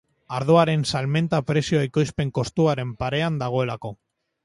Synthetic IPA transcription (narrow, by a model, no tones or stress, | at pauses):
aɾð̞o̞aɾe̞nsalme̞nt̪apɾe̞sioaiko̞jspe̞ŋko̞st̪uaɾe̞mpaɾe̞and̪aɣ̞o̞e̞lako̞